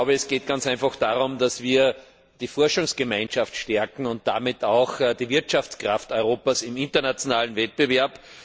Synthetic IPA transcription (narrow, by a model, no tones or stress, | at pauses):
ʊbəɛsɡ̥eːt̚ɡ̥ant͡sæɪnfaxd̥aːʁʊmd̥asv̥iːɐ | d̥iːfɔɐʃʊŋsɡ̥əmãɪ̃nʃaftʃtɛɐkŋ̩ʊnt̚d̥a̰ːmɪtʰaʊxd̥iːvɪɐtʃaft͡skʁaftɔʏʁoːpasɪmɪ̃ntɐnat͡sjonaːlənvɛt̚b̥əvɛɐp